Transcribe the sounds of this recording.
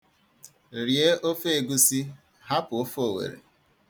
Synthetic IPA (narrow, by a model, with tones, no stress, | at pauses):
ɾje˦o˦fe˨ɡu˦si˦ | ha˦pʊ˨o˦fo˨wḛ˨ɾḛ˨